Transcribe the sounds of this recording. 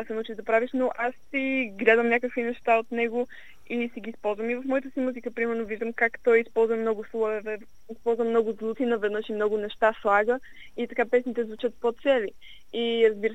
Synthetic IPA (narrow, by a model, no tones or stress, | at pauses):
asɛnut͡ʃid̪ɐpɾaviʃnoʔasːiɡlʲad̪əmnʲakəkvinɛʃt̪aot̪nɛɡo | isiɡʲiːspɔlˠzvəmivɐfmɔjit̪əsimuzikəpɾimɛɾnoviʒd̪əmkakt̪ɔjispɔlˠzvəmnɔɡʊslˠɔvɛvɛ | ispɔlˠzvəmnɔɡʊzlˠut̪inɐvɛd̪nɤʃimnɔɡʊnɛʃt̪aslˠaɡə | it̪ɐkapɛsnit̪ɛzvut͡ʃət̪̚pot̪sɛli | iɾɐzbiɾə